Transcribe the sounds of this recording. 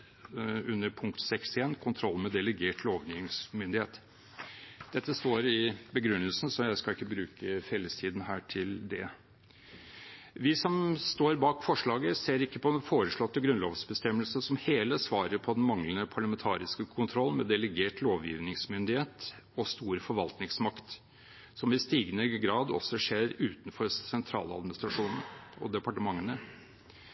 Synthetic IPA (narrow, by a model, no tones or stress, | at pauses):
ʉnːəɾpʰʊŋkt̪sɛksɪeːnkʰʊnt̪ʰɾɔlːmɛd̪ɛləɡeːʈloːʋjiɪŋsmʏnd̪ɪheːt̪ | d̪̥ɛt̪ːəst̪oːɾɪbəɡɾʉnːəlsn̩sɔjæɪskɑɪkːəbɾʉːkʰəfɛlːəst̪ʰiːd̪n̩hæːʈʰɪld̪ɛ̰ | ʋɪsɔmst̪oːɾbɑːkfɔʂɭɑːɡəseːɾɪkːəpʰɔd̪ɛnfoːɾəʂɭɔt̪ːəɡɾʉnloːʋsbəst̪ɛmːəlsəsɔmheːləsʋɑːɾəɾpʰɔd̪ɛnmɑŋlənəpʰɑɭɑmɛnt̪ʰɑːɾɪskəkʰʊnt̪ʰɾɔlːmɛd̪ɛləɡeːʈloːʋjḭːʋnɪŋsmʏnd̪ɪheːt̪ | ɔst̪uːɾfɔɾʋɑlt̪nɪŋsmɑkt̪ | sɔmɪst̪iːɡənəɡɾɑːd̪ɔ̰sːɔʂeːɾʉːt̪nfɔɾsɛnt̪ʰɾɑ̰ːlɑ̰d̪mɪnɪst̪ɾɑʂuːnən̩ɔ̰d̪ɛpɑʈəmɑŋːənə